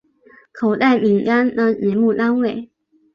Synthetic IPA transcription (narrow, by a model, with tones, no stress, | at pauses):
kʰo˨˩ʊt̪a˥˩ɪmi˨˩ŋka˦nd̪ə˧jɛ˨˥˦nmu˥˨t̪a˥nwe˥˩ɪ